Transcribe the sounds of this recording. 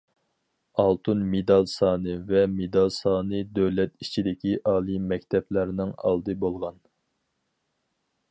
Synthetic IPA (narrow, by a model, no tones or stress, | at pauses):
ɑlˠt̪ʰunmed̪ɑlˠsɑːnɨvɛmed̪ɑlˠsɑːnɨd̪øwlɛt̪it͡ʃʰid̪ɪkʲʰiʔɑːlˠimɛkʲt̪ʰɛplæɾnɪŋɑ̰lˠd̪ɨbolˠʁɑn